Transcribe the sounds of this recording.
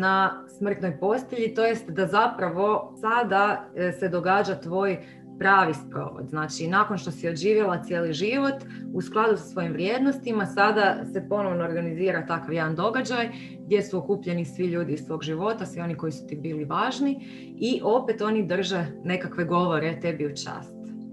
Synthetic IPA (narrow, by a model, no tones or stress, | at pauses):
nasmr̩t̪nojpo̞st̪eʎit̪o̞jest̪d̪azapɾaʋo̞sad̪ase̞d̪o̞ɡaːd͡ʒat̪ʋo̞ːj | pɾaːʋispɾo̰ːʋo̰d̪znaːt͡ʃinaːko̞nʃt̪o̞sio̞ʒiːʋjalˠat̪sjeːliʒiʋo̞t̪ | usklˠad̪usḁsʋo̞jimʋɾjeːd̪nost̪imasad̪ase̞po̞no̞ʋnoːɾɡaniziːɾat̪akaʋjed̪and̪o̞ɡad͡ʒaj | ɡd̪je̞suokuːpʎe̞nisʋiʎuːd̪iːzssʋo̞ːɡʒiʋo̞t̪asʋio̞niko̞jisu̥t̪ibiːliʋaːʒni | iʔo̞pet̪o̞nid̪r̩ʒene̞kakʋe̞ɡo̞ʋo̞ɾet̪ebiut͡ʃa̰ːst̪